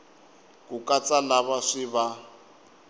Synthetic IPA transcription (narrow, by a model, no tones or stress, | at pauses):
kukʼat͡sʼanaβaʂiβa